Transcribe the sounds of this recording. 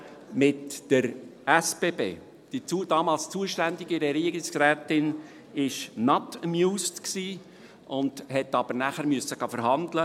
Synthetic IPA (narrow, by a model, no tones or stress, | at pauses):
mɪtːəɾæspeːbḛː | d̥it͡sud̥ɑːmɑːlst͡suəʃtænd̪ɪɡɪɾɛɾiəɡɪsɾɛːtɪn | ɪʃnɑtəmjuːstksiː | ʔʊnd̪̥hɛt̪ɑb̥əɾnæχəɾmyəsːəɡ̥ɑfəɾɦɑnd̪lə